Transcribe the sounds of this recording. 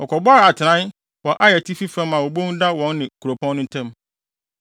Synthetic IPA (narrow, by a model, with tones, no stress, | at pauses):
ɔ˨kʰɔ˨bɔ˦a˦ɾa˨tʰɪ˨nã˦n | wɔ˨ʔa˦jɛ˨tʰi˦fi˦fɛ̃˦mã˨wo˨bõ˦n˦da˦wɔ̃˦nːɪ̃˨kʰu˨ɾo˨pʰɔ̃˦nːʊ̃˦tʰɛ̃˦m